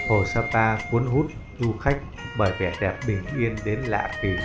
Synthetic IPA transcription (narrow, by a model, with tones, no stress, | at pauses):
ho˨˩saː˧t̪aː˧ku˨˦ənɦu˦˥t̚ʔɨ˧xa˦˥jk̟̚ | ɓəː˧˩jvɛ˧˩ɗɛ˨˩p̚ɓï˨˩ŋ̟ʔi˧ənɗe˨˦nla̰ː˧˨vi˨˩